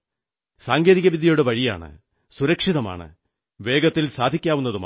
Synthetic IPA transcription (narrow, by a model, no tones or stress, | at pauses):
saːŋɡeːðiɣɐʋid̪ʱjɐjoɽeʋɐɻija̰ːɳɨ̰ | suɾɐkʂiðɐma̰ːɳɨ̰ | ʋe̞ːɡɐt̪ːilsaːd̪ʱikʲːaːʋunːɐðuma̰